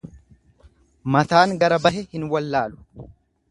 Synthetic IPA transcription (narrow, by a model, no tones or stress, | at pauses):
mɐt̪aːŋɡɐɾɐbɐɦɛhɪnwɐlːaːlʊ̥